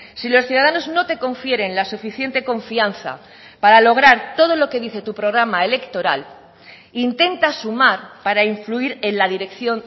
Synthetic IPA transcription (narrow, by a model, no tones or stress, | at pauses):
silo̞sθjuðaðano̞zno̞t̪e̞ko̞ɱfje̞ɾe̞nlasufiθje̞nt̪e̞ko̞ɱfianθa̰ | paɾalo̞ɣ̞ɾaɾt̪o̞ðo̞lo̞ke̞ðiθe̞t̪upɾo̞ɣ̞ɾamae̞le̞kt̪o̞ɾa̰l | int̪e̞nt̪asumaɾpaɾaiɱfluiɾe̞nlaðiɾe̞kθjo̞n